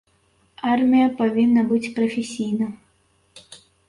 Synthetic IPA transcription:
armʲijɐpavʲinːɐbɨt͡sʲpɾɐfʲesʲijnɐ

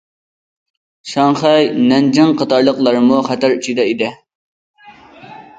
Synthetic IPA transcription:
ʃɑŋχɛjnɛnd͡ʒɪŋqʰɑt̪ɑɾlˠəqlˠɑɾmuχæt̪æɾyt͡ʃʰid̪ɛid̪ɪ

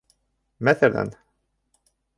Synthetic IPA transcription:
mæθælæ̰n

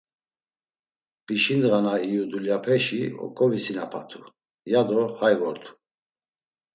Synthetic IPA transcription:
b̥iʃind̪ʁanaijud̪uljapʰɛʃiɔ̰kʼɔvisinapʰat̪ʰu | jad̪ɔhajɣɔɾt̪ʰu̥

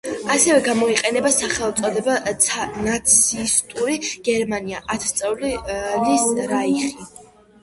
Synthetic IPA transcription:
asɛvɛɡamɔiqʼɛnɛbasaχɛlˠt̪sʼɔd̪ɛbanat̪sʰist̪ʼuɾiɡ̥ɛɾmaniaʔat̪ʰt̪sʼɛvlilisɾaiχi

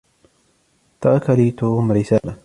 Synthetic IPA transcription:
t̪ɑɾˤkaliːt̪oːmɾɪsaːla

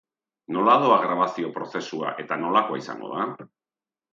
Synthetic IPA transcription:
no̞laðoaɣɾaβasio̞pɾo̞θe̞sua̰ʔe̞t̪ano̞lako̞aisa̰ŋɡo̞̰ð̞a

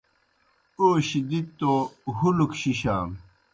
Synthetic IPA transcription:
oːɕid̪it̪ːoɦulukɕiɕa̰ːm

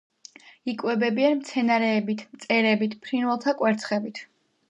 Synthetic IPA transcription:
ikʼwɛbɛbianmt̪sʰɛnaɾɛːbit̪ʰmt̪sʼɛɾɛbit̪ʰpʰɾinwɛlˠt̪ʰakʼwɛɾt̪sʰχɛbit̪ʰ

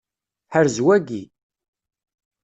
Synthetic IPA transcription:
ħəɾzwæɡi

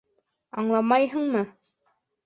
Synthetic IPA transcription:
ɑɴlˠɑmɑjɦɤɴmɤ

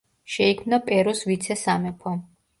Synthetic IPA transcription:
ʃɛikʰmnapʼɛɾɔsvit̪sʰɛsamɛpʰɔ

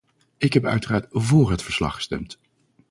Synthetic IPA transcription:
ɪkɦɛpœ̰ɥtəraːɹtvoːɹɦətfəɹslɑ̰χə̥stɛ̰mt

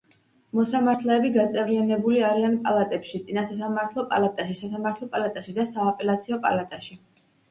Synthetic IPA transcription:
mɔsamaɾt̪ʰlɛːbiɡat̪sʼɛvɾianɛbuliaɾianpʼa̰lˠat̪ʼɛpʃit̪sʼinasas̬amaɾt̪ʰlˠɔpʼa̰lat̪ʼaʃisasamaɾt̪ʰlˠɔpʼalat̪ʼaʃid̪asaːpʼɛlat̪sʰiɔpʼa̰lat̪ʼaʃi

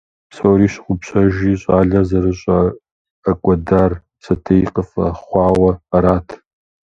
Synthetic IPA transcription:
psowɾiːɕɪ̥qʷʼʊpɕʰɐʒiːɕʼaːɮɐzɐrɨɕʼɐ | ɐkʷʼɐdaːr | sɐtʰɐjiqəfɐ̰χʷɑːwɐɐɾaːtʰ

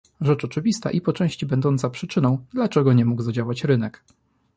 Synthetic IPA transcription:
ʐɛt͡ʂɔt͡ʂɘvʲist̪a̰ʔipɔt͡ʂɛ̃w̃ɕt͡ɕibɛnd̪ɔnt̪sapʂɘt͡ʂɘnɔ̃w̃d̪lat͡ʂɛɡɔɲɛmuɡzad͡ʑawat͡ɕɾɘnɛk

